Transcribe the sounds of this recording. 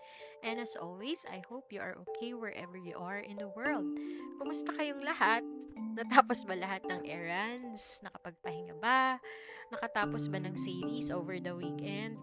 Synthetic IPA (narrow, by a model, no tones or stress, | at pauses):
ʔɛ̃nɐsʔo̰lwisɐ̰jhowpjuʔɐ̰ɹʔo̰kʰejwɛɹʔɛ̰vɛɹjṵʔaɹʔɪ̃nd̪ɐwɛɹld̪̚kʊmʊst̪ɐkɐjoŋlɐhat̪̚nɐt̪aːposbɐlɐɦat̪̚nɐŋʔɛɹɐnsnɐkɐpɐɡ̚pɐhɪŋaba | nɐkɐt̪aːposbɐnɐŋsiːɾisʔovɛɹd̪ɐwiːkɛnd̪̚